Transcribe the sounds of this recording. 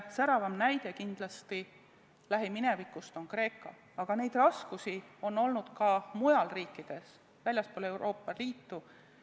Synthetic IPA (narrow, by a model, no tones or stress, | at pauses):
sæɾɑvɑmnæjd̪̥e̞kind̪̥lɑst̪i | læɦimine̞vikːˑust̪o̞nkre̞ːkːˑɑ | ɑɡ̥ɑne̞jd̪̥rɑskusio̞nːo̞lnud̪̥kɑmujɑlriːkˑːid̪̥e̞s | vælʲjɑspoːle̞wɾʔo̞ːpːɑliːt̪ːu